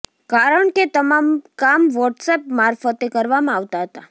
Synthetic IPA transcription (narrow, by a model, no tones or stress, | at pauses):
kaɾəɳket̪əmamkamʋɔʈsepmaɾfət̪ekəɾʋamãaʋt̪aɦət̪a